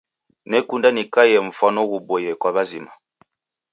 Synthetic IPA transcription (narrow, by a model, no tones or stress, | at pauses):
nɛkundanikajɛɱ̩fanɔɣubɔjɛkwabazima